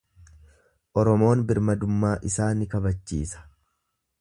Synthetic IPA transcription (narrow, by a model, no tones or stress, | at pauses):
ʔɔɾɔmo̞ːnbɪɾmɐd̪ʊmːaːʔɪsaːnɪkɐbɐt͡ʃːḭːsɐ̥